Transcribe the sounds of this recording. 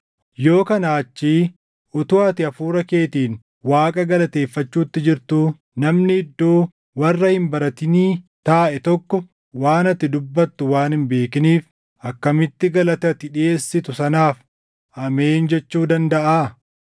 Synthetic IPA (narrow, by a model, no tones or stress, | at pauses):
jo̞ːkɐnaːt͡ʃːiː | ʔʊt̪ʊɐt̪ɪɐfuːɾɐke̞ːt̪iːn | waːkʼɐɡɐlɐt̪e̞ːfːɐt͡ʃːuːɪt̪ːɪd͡ʒɪɾt̪u | nɐmnɪɪd̪ːoː | wɐrːɐhɪmbɐɾɐt̪ɪniːt̪aːʔɛt̪ɔkːɔ | waːnɐt̪ːɪd̪ʊbːɐt̪ːʊwaːnhɪmbe̞ːkɪniːf | ʔɐkːɐmɪt̪ːɪɡɐlɐt̪ɐt̪ːɪᶑɪeːsːɪt̪ʊsɐnaːf | ʔɐme̞ːnd͡ʒɛt͡ʃːuːd̪ɐnd̪ɐʔaː